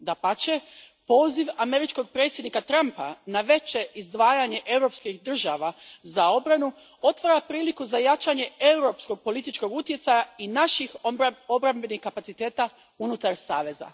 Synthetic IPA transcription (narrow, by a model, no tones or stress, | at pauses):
d̪apat͡ʃe | po̞ːziʋame̞ɾit͡ʃko̞ɡ̚pɾe̞t̪sjed̪nikat̪ɾampa̰naʋe̞t͡ʃe̞ʔizd̪ʋaːjaɲe̞ʔe̞wɾo̞pskixd̪r̩ʒaʋazao̞bɾanu | o̞t̪ʋaɾapɾiːlikuzajat͡ʃaɲe̞e̞uɾo̞psko̞ɡ̚po̞lit̪it͡ʃko̞ɡut̪je̞t̪sajainaʃixo̞bɾambe̞nixkapat̪sit̪e̞ːt̪a | unut̪aɾsaːʋe̞za̰